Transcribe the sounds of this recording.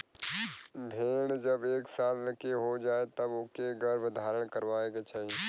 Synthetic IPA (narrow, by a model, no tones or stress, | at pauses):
bʱeːɽ̃d͡ʒɐbeːksaːlləkeɦod͡ʒaːet̪ɐbʊkeɡəɾbʱd̪ʱaːɾəɽ̃kəɾʋaːeɡat͡ʃaːɦi